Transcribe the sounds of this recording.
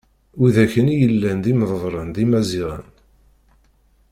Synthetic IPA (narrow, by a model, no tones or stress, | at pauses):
uðæçənijəlːænd̪iməðˤðˤɾˤənd̪imæziʁə̰n